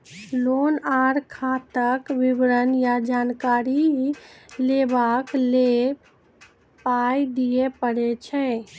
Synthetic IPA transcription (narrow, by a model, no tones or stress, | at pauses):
lonaɾkʰat̪əkʋibɾənjad͡ʒankaɾi | lebakle | pajd̪ijepəɽɛt͡ʃʰɛ̃